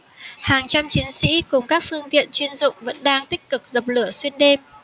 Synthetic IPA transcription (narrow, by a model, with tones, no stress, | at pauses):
haː˨˩ŋt͡ɕa˧mt͡ɕi˨˦nsḭ˧˥kʊ˨˩ŋ͡mkaː˦˥k̚fɨ˧əŋt̪ḭ˧˨ənt͡ɕwi˧ənzʊ̰˧˨ŋ͡mvə̰˧˥nɗaː˧ŋt̪ï˦˥k̟̚kɨ˨˩k̚zə˨˩p̚lɨ˧˩əswi˧ənɗe˧m